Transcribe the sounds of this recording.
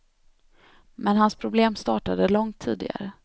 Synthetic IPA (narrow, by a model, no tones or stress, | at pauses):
mɛnɦanspʰɾʊbleːmst̪ɑ̰ːʈad̪əlɔŋt̪ʰːiːd̪ɪ̰ɡa̰ɾə